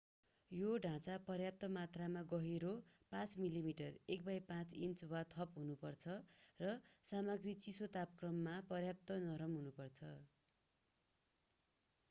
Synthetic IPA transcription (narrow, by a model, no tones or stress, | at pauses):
joɖʱãt͡sapʌrjap̚t̪ʌmat̪ramaɡʌɦeɾopãt͡smilimiʈʌrek̚bajpãt͡sint͡swat̪ʰʌpɦunupʌrt͡sʰʌrʌsamʌɡrit͡sisot̪apkrʌmːapʌrjap̚t̪ʌnʌɾʌmɦunupʌrt͡sʰʌ